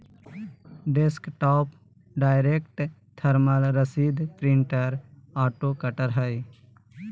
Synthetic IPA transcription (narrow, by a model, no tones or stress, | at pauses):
ɖeskʈɔːp | ɖaːɪɾekʈ | t̪ʰəɾməlɾəsiːd̪pɾɪ̃ɳʈəɾaːʈoːkəʈəɾɦəj